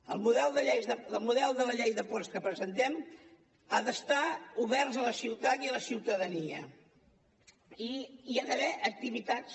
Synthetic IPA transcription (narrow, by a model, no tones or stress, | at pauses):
ə̰lˠmuðɛlˠd̪əʎejzðəd̪əlˠmuðɛlˠd̪ələʎejðəpɔst̪kəpɾəzənt̪ɛm | a̰ðəst̪auβɛrzələsiwt̪at̪iələsiwt̪əðəniə̰ | iiaðəβɛʔək̚t̪iβit̪at͡s